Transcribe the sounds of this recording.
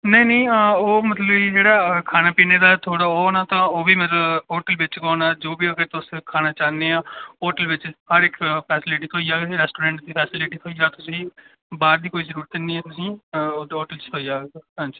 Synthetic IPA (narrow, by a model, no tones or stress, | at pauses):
nəĩːnə̃ĩːoːmət̪ləbd͡ʒeːɽaːkʰaːnaːpiːneːd̪aːɛt̪ʰoːɽaːoːnaːt̪ãːoːbiːmət̪ləbɦoːʈəlʋɪt͡ʃkɔːnaːd͡ʒoːbiːəɡəɾt̪ʊskʰaːnaːt͡ʃaːneːaːoːʈəlʋɪt͡ʃhəɾɪkʰpʰɛːsɪlɪʈiːt̪ʰoːiaːɾɛːsʈoːɾɛ̃ːɳʈd̪iːpʰɛːsɪlɪʈiːt̪ʰoːiaːt̪ʊsĩː | baːɾd̪iːkoːiːzəɾuːɾət̪nĩːɛːt̪ʊsĩːoːʈəlt͡ʃt̪ʰoːijaːɦãːɲd͡ʒiː